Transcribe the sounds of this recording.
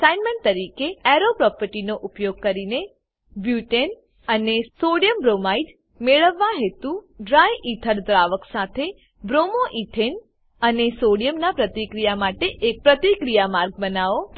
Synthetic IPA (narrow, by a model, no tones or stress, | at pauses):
sajnmeɳʈ̚t̪əɾikeɛɾopɾɔpəɾʈinoʔupjoɡ̚kəɾine | bjuʈen | ənesoɽijəmbɾomaiɖ | meɭəʋːãɦet̪uɖɾajit̪ʰəɾd̪ɾaʋəksat̪ʰe | bɾomoʔit̪ʰen | ənesoɽijəmnapɾət̪ikɾijamaʈeʔek̚pɾət̪ikɾijamaɾɡ̚bənaʋo